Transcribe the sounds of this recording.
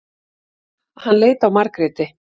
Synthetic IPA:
hanːleːjt̪awmaɾkɾɪːt̪ɪ

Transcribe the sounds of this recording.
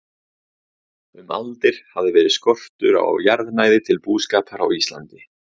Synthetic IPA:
ʏma̰lt̪ɪɾ̥havðɪvɛːɾɪðskɔr̥t̪ʏɾa̰wjaɾðnaːjðɪt̪ʰɪlpuːskaːpʰaɾa̰wist̪la̰nt̪ɪ

